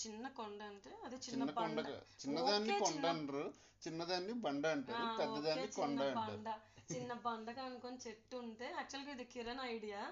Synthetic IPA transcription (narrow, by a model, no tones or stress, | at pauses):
t͡ʃinːɐkɔɳɖɐɳʈeɐd̪et͡ʃinːɐkɔɳɖɐa̰t͡ʃinːɐd̪aːnːikɔɳɖɐnɾu | t͡ʃinːɐd̪aːnːibɐɳɖɐɐɳʈɐɾpɛd̪ːɐd̪aːnːit͡ʃkɔɳːɖaɐbɐɐɳɖɐt͡ʃinːɐbɐɳɖɐkaːnukont͡ʃeʈːuːɳʈe̞ːɐk̚t͡ʃuɐlɡɐːid̪ikiɾɐnɐjɽijaː